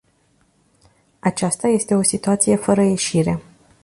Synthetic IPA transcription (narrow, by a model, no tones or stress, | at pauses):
at͡ʃast̪aje̞st̪e̞o̞sit̪uat̪sije̞fəɾəje̞ʃiɾe̞